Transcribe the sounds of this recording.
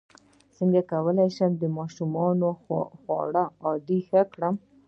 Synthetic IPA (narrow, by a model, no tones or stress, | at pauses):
səŋɡakawəlajʃəmd̪əmɑʃumɑnoxwɑ̰ɽaɑd̪ixəkɽəm